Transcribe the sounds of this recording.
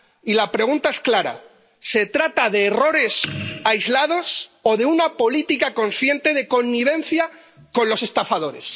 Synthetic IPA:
ilapɾe̞ɣ̞unt̪ae̞sklaɾa̰ | se̞t̪ɾat̪aðe̞ːro̞ɾe̞sajzlaðo̞so̞ðe̞unapo̞lit̪ikako̞nθje̞nt̪e̞ð̞e̞ko̞nːiβ̞e̞n̟θja | ko̞nlo̞se̞st̪afað̞o̞ɾe̞̰s

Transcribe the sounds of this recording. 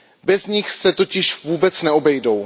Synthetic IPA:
bɛzɲɪxsɛt̪o̞cɪʃvuːbɛt͡snɛo̞bɛjdo̞w

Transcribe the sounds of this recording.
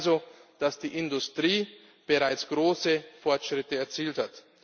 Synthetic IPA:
zod̥asd̥iːʔɪndʊstʁ̥iː | b̥əʁaɪt͡sɡ̥ʁoːsəfɔɐtʃʁ̥ɪtəɛɐt͡siːlthat

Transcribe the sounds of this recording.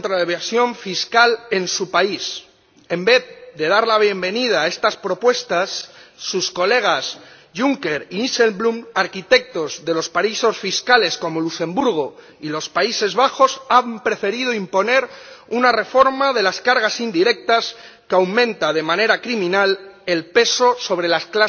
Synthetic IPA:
nt̪ɾaðeβasjo̞ɱfiskale̞nsupais | e̞mbe̞θðe̞ðaɾlaβ̞je̞mbe̞nið̞aːe̞st̪aspɾo̞pwe̞st̪asːusko̞le̞ɣ̞as | ʝuŋke̞ɾiise̞lblumaɾkit̪e̞k̚t̪o̞zðe̞lo̞spaiso̞sfiskale̞sko̞molusẽ̞mbuɾɣ̞o | ilo̞spaise̞zβaxo̞sampɾe̞fe̞ɾiðoimpo̞ne̞ɾunare̞fo̞ɾmaðe̞laskaɾɣ̞asind̪iɾe̞k̚t̪as | kawmẽ̞nt̪aðe̞mãne̞ɾakɾimĩnale̞lpe̞so̞so̞β̞ɾe̞laskla

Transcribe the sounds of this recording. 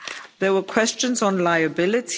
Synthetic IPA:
ðɛwəkʰw̥ɛst͡ʃə̃nzɔ̃nlaɪəbɪlətʰ

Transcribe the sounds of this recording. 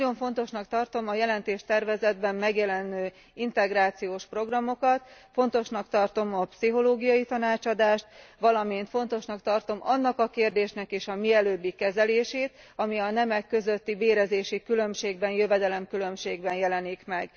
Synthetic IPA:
o̞ɱfo̞nt̪o̞ʃnɒkt̪ɒrt̪o̞mɒjɛlɛnt̪eːʃt̪ɛrvɛzɛd̪bɛmmɛɡjɛlɛnøː | int̪ɛɡraːt̪sijoːʃpro̞ɡrɒmo̞kɒt̪fo̞nt̪o̞ʃnɒkt̪ɒrt̪o̞mɒpsiɦo̞loːɡijɒit̪ɒnaːt͡ʃɒd̪aːʃt̪ʋɒlɒmint̪fo̞nt̪o̞ʃnɒkt̪ɒrt̪o̞mɒnːɒkɒkeːrd̪eːʃnɛkeːʃɒmiɛløːbːikːɛzɛleːʃeːt̪ | ɒmiɒnɛmɛkːø̞zø̞t̪ːibeːɾɛzeːʃikylø̞mʃeːɡ̚bɛnjø̞vɛd̪ɛlɛmkylø̞mʃeːɡbɛnjɛlɛnikmɛɡ

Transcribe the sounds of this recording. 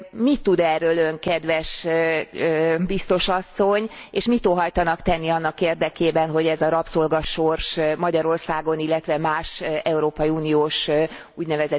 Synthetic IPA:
mit̪ːud̪ɛrːøːløŋkɛd̪ʋɛʃ | bist̪o̞ʃɒsːo̞ɲeːʃmit̪oːɦɒjt̪ɒnɒkt̪ɛnːiɒnːɒkeːrd̪ɛkeːbɛnɦo̞ɟɛzɒɾɒpsolɡɒʃorʃmɒɟɒɾo̞rsaːɡo̞nilːɛt̪ʋɛmaːʃɛuɾoːpɒjiunioːʃ | uɟnɛvɛzɛ

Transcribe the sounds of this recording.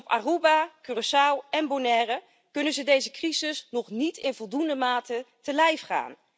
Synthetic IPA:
ɔpa̰ːrubakyrəsawɛnbonɛːrə | kɵnənzədejzəkrizɪsnɔχnitʰɪnvɔlˠdundəmaːtətəlɛjfχa̰ːn

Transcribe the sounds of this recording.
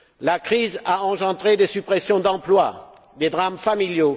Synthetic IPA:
lakχizaɑ̃ʒɑ̃d̪ʁed̪esypχesjɔ̃d̪ɑ̃plwa | d̪ed̪ʁamfamiljo

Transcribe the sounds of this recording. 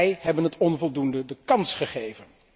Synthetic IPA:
jɦɛbənɦətɔnvɔlˠdundədəkɑnsχəχejvən

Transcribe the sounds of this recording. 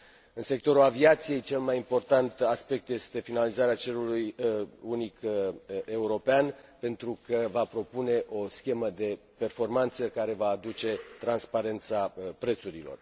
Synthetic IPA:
ɨnse̞k̚t̪o̞ɾulaviat̪sije̞jt͡ʃe̞lmajimpo̞rt̪ant̪aspek̚t̪je̞st̪e̞finalizaɾeat͡ʃe̞lulujunik | e̞uɾo̞peanpe̞nt̪ɾukəvapɾo̞pune̞ʔo̞skʲe̞məd̪e̞ | pe̞rfo̞rmant̪səkaɾe̞vaːd̪ut͡ʃe̞t̪ɾanspaɾe̞nt̪sapɾe̞t̪suɾilo̞̰r

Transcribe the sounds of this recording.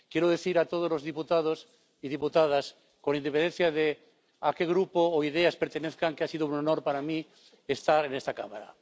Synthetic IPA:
kjeɾoð̞e̞θiɾat̪oð̞ozlozðiput̪aðos | iðiput̪að̞as | kolaind̪epend̪en̟θjaðe | akeɣɾupoːiðeaspeɾt̪eneθkaŋkeasiðounonoɾpaɾamĩ | est̪aɾenest̪aka̰maɾa̰

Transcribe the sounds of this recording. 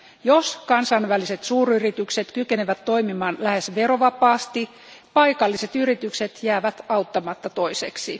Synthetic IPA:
joskɑnsɑnʋæliset̪suːryrit̪ykset̪kykeneʋæt̪to̞imimɑːnlæhesʋeroʋɑpɑːst̪i | pɑikɑlːiset̪yrit̪ykset̪jæːʋæt̪ɑut̪ːɑmɑt̪ːɑt̪oiseksi

